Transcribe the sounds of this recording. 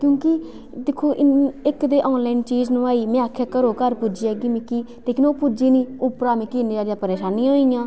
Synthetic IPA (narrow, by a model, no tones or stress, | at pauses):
kjõːkɪ | d̪ekʰːoːʔɪnɪkd̪eːʔɔːnlaːɪnt͡ʃiːd͡ʒnũːaːiːmɛ̃ːakʰːɛːkəɾoːkəɾpʊd͡ʒiːɛːɡiːmɪkːiː | t̪eːkɪnoːpud͡ʒiːniːʊpɾaːmɛ̃ːkiːnid͡ʒaːd̪jãːpəɾeːʃaːnĩãoːɪjãː